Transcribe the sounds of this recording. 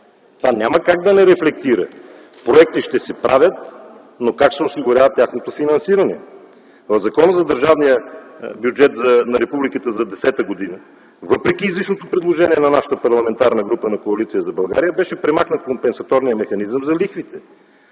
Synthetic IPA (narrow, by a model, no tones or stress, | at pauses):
t̪vanʲaməkaɡ̚d̪ɐnɛɾɛflɛk̚t̪iɾə̰ | pɾoɛk̚t̪iʃt̪ɛsɛpɾʔavʲjət̪̚ | nokaksɛosiɡʊɾʲavət̪ʲaxnot̪ofinɐnsiɾɐnɛ̰ | vəvzɐkɔnəzɐd̪əɾʒavnijəbjud͡ʒɛt̪zɐnɐɾɛpublikət̪əzɐd̪ɛsɛt̪əɡod̪inə | vɤpɾɛk̟iːzlit͡ʃnot̪opɾɛd̪lˠoʒɛniɛnɐnaʃə̥t̪əpɐɾlˠɐmɛnt̪aɾnəɡɾupənɐkoɐlit̪sijəzɐbɐlˠɡa̰ɾijəbɛʃɛpɾɛmaxnət̪̚kompɛnsɐt̪ɔɾnijəmɛxɐnizəmzɐlixvit̪ɛ